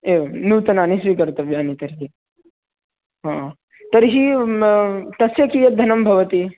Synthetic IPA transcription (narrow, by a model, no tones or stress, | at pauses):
eːʋnuːt̪ɐnaːnisʋikɐɾt̪ɐʋjaːnit̪ɐɾɦi | ɦã | t̪ɐɾɦi | t̪ɐsjekijɐd̪ʱɐnɐmbʱɐʋɐt̪i